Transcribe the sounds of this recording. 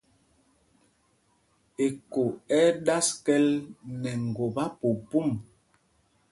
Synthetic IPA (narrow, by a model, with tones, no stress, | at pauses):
e˨ko˨ɛ˦ɗa˦skɛ˦lnɛ˨ŋ̩˨ɡo˨ba˦pu˨pu˦˨m